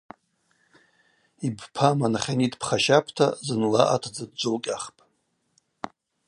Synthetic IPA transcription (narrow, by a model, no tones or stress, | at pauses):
ibpʰamanaχʲanidpʰχaʃapʰtʰa̰zɨnlaʔa̰tʰd͡zad̚d͡ʒʷolkʲʼaχpʼ